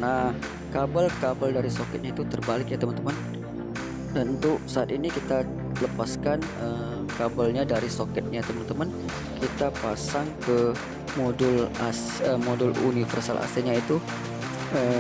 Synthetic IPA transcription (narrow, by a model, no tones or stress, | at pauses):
nah | kabalkabaldaɾisokɛt̪̚ɲait̪ut̪ərbalɪk̚jat̪əmənt̪əmən | əunt̪ʊʔsaat̪inikit̪a | ləpaskanəm | kabalɲadaɾisokɛt̪̚ɲat̪əmənt̪əmən | kit̪apasaŋkə | modʊlas | əmodʊlṵnifərsalʔa̰st̪eɲait̪u | ə